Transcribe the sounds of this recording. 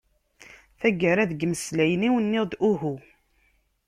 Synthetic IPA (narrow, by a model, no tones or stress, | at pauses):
θæɡaɾæðəɡəməslæjniwənːɪd̪ʔuɦu